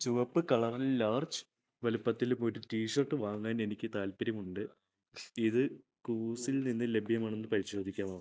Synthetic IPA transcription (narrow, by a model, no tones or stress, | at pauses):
t͡ɕuʋɐpːɨkɐɭɐrillaːrt͡ɕɨ̥ | ʋɐlupːɐt̪ːilumo̞ɾutiːʂɐrʈːɨʋaːŋːaːne̞nikʲːɨt̪aːlpɐɾjɐmuɳɖɨ | iðɨ | kuːsilninːɨle̞bʱjɐmaːɳenːɨpɐɾiɕo̞ːd̪ʱikʲːaːmɐːu